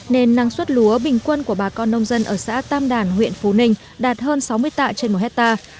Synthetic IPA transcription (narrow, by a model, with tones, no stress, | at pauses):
ne˧nːa˨˧˦ŋswə˦˥t̚lu˨˦əɓï˨˩ŋ̟kwə˧nku˧˩əɓaː˨˩kɔ˧nːə˧wŋ͡mzə˧nʔəː˧˩sa̰ː˧˥t̪aː˧mɗaː˧˩nɦwḭ˧˨ənfo˨˦nï˧ŋ̟ | ɗaː˨˩t̚həː˧nsa˨˦wmɨ˧əjt̪a̰ː˧˨t͡ɕe˧nmo˨˩t̚hɛ˦˥t̚t̪aː˧